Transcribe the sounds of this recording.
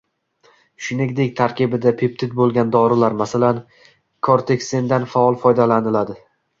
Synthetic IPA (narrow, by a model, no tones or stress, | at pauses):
ʃʊnɪŋʲd̪ekʲt̪ʰaɾkʲɪbɪd̪apʰep̚t̪ʰɪt̪̚bolˠɡʲand̪ɒɾɪlaɾmasalan | kʰɒɾt̪ʰe̞kʲsend̪anfaɒlˠfɒjd̪alanɪlad̪ɪ